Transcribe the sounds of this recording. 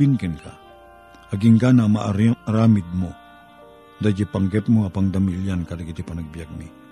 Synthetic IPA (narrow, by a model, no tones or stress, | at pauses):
inkɛnka̰ | aɡiŋɡanamaɾɾamid̪̚mo | dad͡ʒipaŋɡɛp̚muapaŋdamiliankadaɡit̪ipanak̚biak̚mi